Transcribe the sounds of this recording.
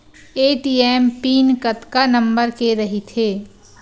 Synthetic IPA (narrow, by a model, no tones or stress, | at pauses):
eːʈiːɛːmpiːnkɐt̪kanɐ̃mbəɾkeɾɐɦit̪ʰeː